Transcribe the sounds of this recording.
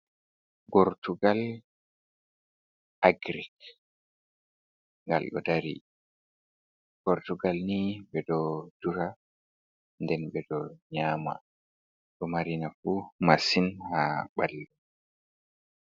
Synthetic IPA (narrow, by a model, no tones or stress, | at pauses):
bɔɾtuɡal | aɡɾik | ŋɡa̰lɗɔ̰daɾḭ | b̥ɔɾtuɡalniɓɛdɔd̥uɾa | ndɛnɓɛdɔɲaːma̰ | ɗɔmaɾinafumasinhaɓalːu